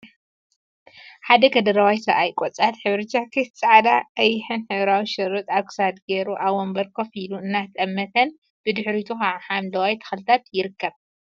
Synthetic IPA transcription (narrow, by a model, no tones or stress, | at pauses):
ħad̪ɐkʰɐd̪ɐɾɐwajsɐ̰ʔajkʼot͡sʼat̪ħɨβɾɨt͡ʃːakʰɨst͡sʼaʕad̪aʔɐjːɪħɨnħɨβɾawiʃɨɾut̪ʼaβkʰɨ̥sad̪ɡeɾuʔaβwombɐɾkʰofiluɨnːat̪ʰʼɐmːɐt̪ʰɐn | b̥ɨd̪ɨħɾit̪ʰuxaħamd̪ɐwajt̪ʰɐ̥xɨlɨt̪ʰat̪jɪɾɨkːɐβ